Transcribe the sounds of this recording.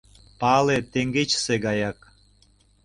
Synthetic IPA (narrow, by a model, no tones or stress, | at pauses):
pɑlet̪eŋɡet͡ɕseɣɑjɑk̚